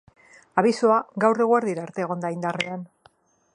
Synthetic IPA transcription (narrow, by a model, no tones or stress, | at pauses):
aβ̞isoaɡawre̞ɣoeɾðiɾaːɾt̪e̞ːɣ̞o̞nd̪aind̪arean